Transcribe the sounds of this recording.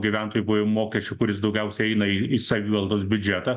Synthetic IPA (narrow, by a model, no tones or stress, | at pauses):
ɡʲiʋʲæˑnt̪oːjʊbʊʋomoːkʲɛsʲt͡ʃʲʊkʊɾʲɪs̬d̪ɒʊɡʲɛʊsʲɛɪɛɪnɐiisɐʋʲiːʋɐlˠd̪oːsbʲʊd͡ʒʲæt̪ɐ